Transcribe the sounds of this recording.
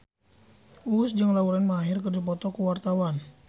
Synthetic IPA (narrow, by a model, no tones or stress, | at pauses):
ʔusd͡ʒɨŋlauɾanməaɦirkərd͡ʒupɔt̪ɔkuwart̪awan